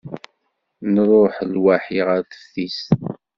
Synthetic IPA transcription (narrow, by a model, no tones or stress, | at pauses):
nərˤoħlwaħiʁaɾθə̥fθis